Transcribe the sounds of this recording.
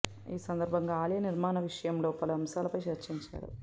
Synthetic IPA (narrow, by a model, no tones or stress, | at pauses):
iːsɐnd̪ɐɾbʱɐŋɡaːlijɐniɾmaːnɐʋiʂɐjɐmlo̞ːpɐluɐmsaːlɐpɐjt͡ʃɐɾt͡ʃiɲt͡ʃa̰ːɽṵ